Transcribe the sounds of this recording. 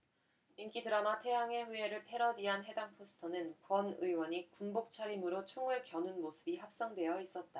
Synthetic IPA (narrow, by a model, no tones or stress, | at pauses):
imk͈idɯɾamatʰe̞ɦaŋe̞ɸue̞ɾɯɭpʰe̞ɾʌdiɦanɦe̞daŋpʰosʰɯ̥tʰʌnɯnkwʌnɯiwʌɲikunbok̚t͡ɕʰaɾimɯɾot͡ɕʰoŋɯɭkjʌnunmosʰɯ̥biɦap̚s͈ʌŋdwe̞jʌis͈ʌt̚t͈a